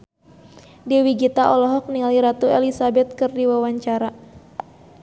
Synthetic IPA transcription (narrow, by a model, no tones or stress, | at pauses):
diwiɡit̪aʔɔlɔɦɔk̚nialiɾat̪uɛlisabɛt̪̚kɨrdiwawaɲt͡ʃaɾa